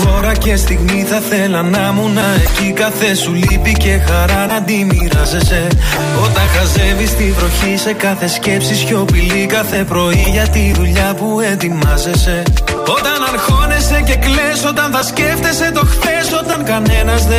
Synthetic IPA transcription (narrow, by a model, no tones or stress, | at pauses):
o̞ɾɐce̞st̪iɣmiθɐθe̞lɐnɐmunɐe̞cikɐθe̞sulipice̞xɐɾɐd̪imiɾɐze̞se̞ | o̞t̪ɐnxɐze̞vist̪ivɾo̞çise̞kɐθe̞sce̞psisço̞pilikɐθe̞pɾo̞iʝɐt̪iðuʎɐpue̞t̪imɐze̞se̞o̞t̪ɐnɐɾxo̞ne̞se̞ce̞kleso̞t̪ɐnθɐsce̞ft̪e̞se̞t̪o̞xθe̞so̞t̪ɐŋkɐne̞nɐzðe